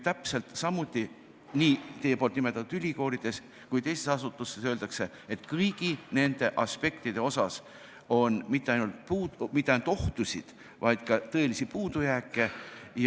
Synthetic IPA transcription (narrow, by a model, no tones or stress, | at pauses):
t̪æpse̞lt̪sɑmːut̪ʲˑːi | niːt̪e̞jeolt̪nime̞t̪ːˑɑt̪ːud̪t̪ylʲiko̞ːɾid̪̥e̞s | kujt̪ejsesɑsut̪ːˑusːesøːld̪̥ɑkse̞ | et̪ːkɤɯjɡ̥ine̞nd̪̥e̞ʔɑspe̞kt̪id̪̥e̞o̞sɑs | o̞nmit̪ːe̞ɑjnult̪̚puːmit̪ːeɑjnut̪o̞ht̪usʲid̪̥ | vɑjd̪̥kɑt̪ɤ̞e̞lisipuːd̪̥ujæːkːˑe̞j